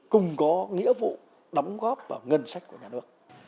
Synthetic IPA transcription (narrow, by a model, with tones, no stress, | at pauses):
kʊ˨˩ŋ͡mkɔ˨˦ŋḭ˧˥əvṵ˧˨ | ɗɔ˨˦wŋ͡mɣɔ˦˥p̚ʔəː˧˩ŋə˧nsa˦˥jk̟̚ku˧˩əɲaː˨˩nɨ˦˥ək̚